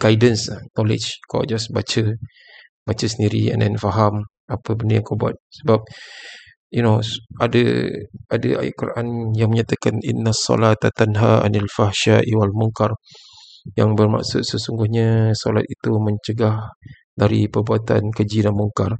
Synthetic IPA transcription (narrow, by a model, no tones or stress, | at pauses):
ɡ̥ajdənsanɔlɪ̰d͡ʒka̰d͡ʒasbat͡ʃə | bat͡ʃəsəndiɾiɛ̰nʔɛ̰nfaɦam | apəbəndəjaŋkabua̰t̪̚səbap̚ | junoʔadə̰ʔadə̰a̰jaʔkuɾaʔanjaŋməɲat̪akaninːasːɔ̰lat̪at̪anɦaa̰nalfahʃaʔiwalmuŋkar | jaŋbərma̰ʔsʊt̪̚səsuŋɡʊhɲasola̰t̪̚it̪uməɲt͡ʃəɡah | daɾipərbuat̪a̰nkəd͡ʒidanmuŋkar